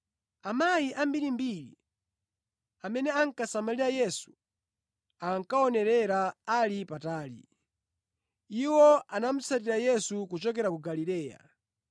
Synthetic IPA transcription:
amajiʔambiɾimbiɾḭ | amɛnɛaŋkasamaliɾajɛsu̥ | aŋkaɔnɛɾɛɾaalipataːlḭ | iwɔanam̩satiɾajɛsukut͡ʃɔkɛɾakuɡalilɛːja̰

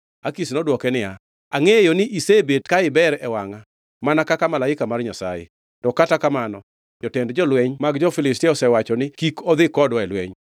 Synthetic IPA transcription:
akisnɔdwɔkɛnɪa | aŋejonɪʔisebetkaɪbɛɾɛwaŋa | manakakamalaɪkamarɲasa̰jḛ | tɔkatakamanɔ | d͡ʒɔtɛndd͡ʒɔlwɛɲmaɡd͡ʒɔfɪlɪstɪɔsɛwat͡ʃɔnɪkikɔd̪ɪkɔdwɛlwɛ̰ɲ

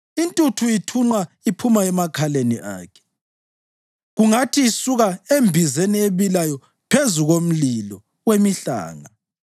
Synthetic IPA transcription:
intʼutʰuitʰuŋ͡ǃwa | ipʰumaɛmakʰaleniʔa̰ːkʰɛ̥ | ɣuŋatʰiːsuɣaembʱizenieβilajɔ | pʰezuɣom̩lilɔ | wemiɬa̰ːŋa

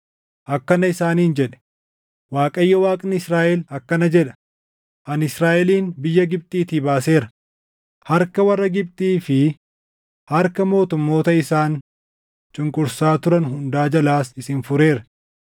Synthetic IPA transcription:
ʔɐkːɐnɐɪsaːniːnd͡ʒɛᶑɛ̥ | waːkʼɐjːɐwaːkʼnɪɪsɾaːʔɛlɐkːɐnɐd͡ʒɛᶑɐ̥ | ʔɐnɪsɾaːʔɛliːnbɪjːɐɡɪb̚t̪ʼiːt̪iːbaːse̞ːɾɐ | hɐɾkɐwɐrːɐɡɪb̚t̪ʼiːfɪ | hɐɾkɐmo̞ːt̪ʊmːo̞ːt̪ɐɪsaːn | t͡ʃʼʊŋkʼʊɾsaːt̪ʊɾɐnɦʊnd̪aːd͡ʒɐlaːsɪsɪːnfʊɾe̞ːɾɐ

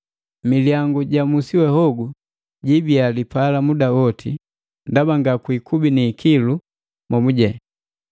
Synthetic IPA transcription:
miljaŋɡuɟamusiwɛhɔɡu | ɟibialipalamudawɔtʰi | ndabaŋɡakwikʰubinikʰilu | mɔmuɟɛ

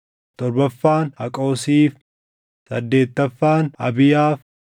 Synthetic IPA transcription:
t̪ɔɾbɐfːaːnhɐkʼoːsiːf | sɐd̪ːe̞ːt̪ːɐfːaːnɐbɪjaːf

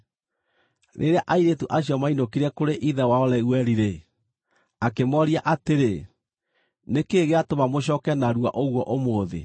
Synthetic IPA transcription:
nʔḛɾeaʔaiɾetuʔaɕiɔmainokiɾɛkoɾeʔiðɛwaɔlɛwɛɾiɾe | akemɔɾiaʔateɾe | nekeɣeatomamoɕ̬ɔːkɛnaɾua̰ʔoɣwɔʔomoːðḛ

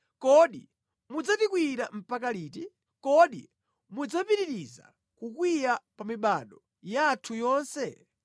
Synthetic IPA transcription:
kɔɗi | mud͡zatikwiɾam̩pakaliːti | kɔɗḭ | mud͡zapiɾiɾiza̰ | kukwijapamiɓaɗɔ | jaːtʰujɔːnsɛ

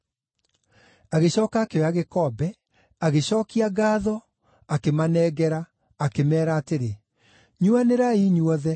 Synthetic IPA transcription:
aɣeɕɔːkaːkeɔaɣekɔbɛ | aɣeɕɔːkiaɣaːðɔ | akemanɛːɡɛɾaː | kemɛːɾaːteɾe | ɲuaneɾaiːɲwɔðɛ

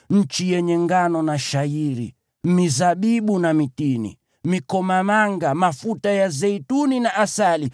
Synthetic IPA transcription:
ɲ̩t͡ʃijɛɲɛŋɡanɔnaʃaiɾḭ | mizaɓiɓunamitinḭ | mikɔmamaŋɡamafutajazɛituninaʔasali

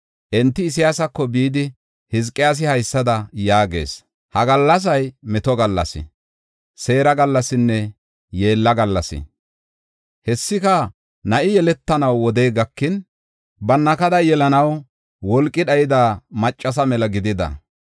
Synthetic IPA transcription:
ʔɛnt̪ːɪːs̬ɪjaːsɐkːɔbiːd̪ɪ | hɪzkʼːɪjaːs̬ɪhɐjsːɐd̪ɐjaːɡe̞̰ːs | hɐɡɐlːɐs̬ɐjmɛt̪ɔɡɐlːɐ̰sɪ̰ | se̞ːɾɐɡɐlːɐsɪnːɛ | je̞ːlːɐɡɐlːɐsɪ̰ | hɛsːɪkɐ | nɐʔɪjɛlɛt̪ːɐnɐwːɔd̪eːɡɐkːɪn | bɐnːɐkɐd̪ɐjɛlɐnɐw | wɔlkʼːɪɗɐjɪd̪aːmɐt͡ʃʼːɐsɐmɛlɐɡɪd̪ɪd̪ɐ̰

